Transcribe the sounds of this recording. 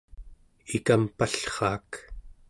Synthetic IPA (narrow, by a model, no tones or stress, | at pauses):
ikampaɬχɑːk